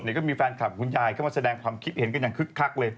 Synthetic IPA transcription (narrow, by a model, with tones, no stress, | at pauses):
t̚ni˨˩kɔː˧˥mi˧fɛː˧nkʰa˨˩ŋu˧njaː˧jka˧˥˩maː˧˩sa˧ɛː˧ŋkʰwaː˧mkʰi˦˥t̪̚he˩˦nka˧njaː˨˩ŋkʰɯ˦˥kʰːa˦˥k̚lɤː˧j